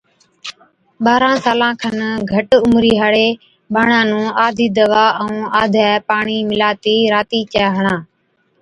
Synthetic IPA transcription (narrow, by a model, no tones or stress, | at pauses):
ɓaːɾãːsaːlãːkʰənɡʱəʈʊmɾiːɦaɽeː | ɓaːɳãːnũːaːd̪ʱiːd̪əʋãːũːaːd̪ʱɛːpaːɳiːmɪlaːt̪iːɾaːt̪iːt͡ʃaːɦəɳãː